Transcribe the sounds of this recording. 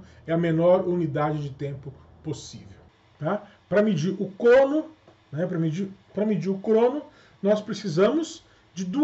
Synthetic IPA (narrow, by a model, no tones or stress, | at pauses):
ɛɐmenɔɾunid̪ad͡ʒɪd͡ʒɪt̪ẽmpʊ | posḭvew | t̪a | pɾɐmid͡ʒiɾʊkɾõnʊ | nɛpɾɐmid͡ʒiɾpɾɐmid͡ʒiɾʊkɾõnʊ | nɔspɾesizɐ̃mʊz | d͡ʒɪd̪u